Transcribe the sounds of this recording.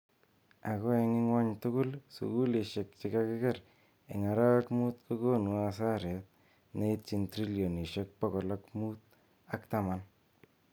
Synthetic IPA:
a˨kɔ˦ɛ˧ŋɪ˦ŋwa˦ɲtʊ˦kʊ˦lsṵ˨ku˦le˨ʃe˨k̚t͡ʃɪ˦kakɪ˦kɛɾ | e˨ŋa˨ɾa˦wa˦kmu˦t̪ko˦ko˦nwa˦s̬a˦ɾɛ˨t̚ | ne˦it͡ʃi˨ntɾi˦ljo˨ni˨ʃe˦k̚pɔ˦kɔ˨lɔkmu˦t̚ | a˦kta˦man

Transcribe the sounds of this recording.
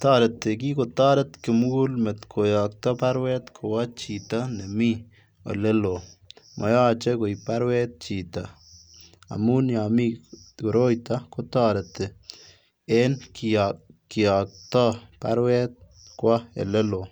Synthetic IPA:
tɑ˦ɾe˨tːe˨ki˦ko˨tɔ˦ɾe˦tkɪ˨m˦ɣu˦lme˨tkʰo˨jɔ˨k̚tɔ˦pa˦ɾwɛ˦t̪kʰo˨wa˦t͡ʃi˨ta˦ne˨mi˦ | o̰˨le˦lo˨ | mʔɔ̰˨jaː˦t͡ʃɛ˦ko˨jpa˦ɾwɛ˦t̚t͡ʃi˨ta˨ | a̰˨mu˦nja˨mi˦ko˨ɾo˦jta˦ko˦tɔ˦ɾe˨te˨ | e˦nkkɪ˨ɔ˨k̚tɔ˦pa̰ɾwɛ˦t̪̚ | kwɔ˦ḛ˨le˦lo˨

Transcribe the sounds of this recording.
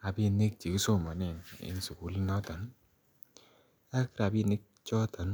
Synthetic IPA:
a˨bi˦ni˦k̚t͡ʃi˨ki˦so˦ma˨nɛ˨nḭ˦n˨su˨ku˨li˦nɔ˦tɔ˨˦n | a˦ki˦ɾa˨bi˦˧˨ni˦k̚t͡ʃɔ˦tɔ˨˦n

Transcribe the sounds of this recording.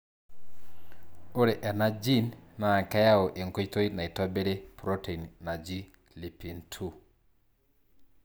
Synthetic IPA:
o˦ɾe˨ʔɛ˨na˦d͡ʒi˦˨nna˨ka˦ja˦o˨ʔe˨ŋko˦i˦to˦jna˨i˨tɔ˦be˦ɾe˦pɾo˦te˨i˨nna˨d͡ʒi˦ | li˨pi˨ntʰu˦˨

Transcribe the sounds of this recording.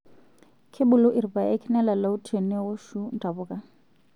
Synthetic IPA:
kʰe˦bʊ˨lʊ˦ʔɪ˨ri˨ba˨ɛ˦kʰɪ˦nɛ˦la˨la˦ʊ˦tʰe˨ni˦ʊ˦ʃu˦n̩˦tʰʼa˨bʊː˦kʼa˨

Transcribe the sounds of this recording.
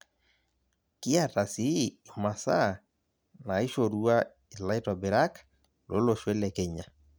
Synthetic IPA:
kɪ˦a˨ta˨siː˦˨ma˨sa˦ | na˨ɪ˦ʃo˨ɾu˦a˦ | i˨la˦ɪ˦tɔ˨bɪ˨ɾa˦k | lo̰˦lo˦˨ʃwe˦le˨ke˨ɲa˨

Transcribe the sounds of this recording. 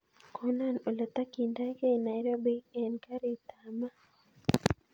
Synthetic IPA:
kʰɔ˦na˦no˨la˨t̪a˦ki˨nda˦ke˦na˨iɾo˦bi˦ɛ˨nka˦ɾi˨t̪a˨ma˦

